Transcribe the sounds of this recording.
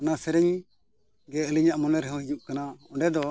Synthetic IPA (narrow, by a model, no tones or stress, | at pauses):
anasɛɾɛɲ | ɡɛəliɲaʔmɔnɛɾɦɔ̃hid͡ʒuʔ̚kanaɔ̃ɳɖɛd̪ɔ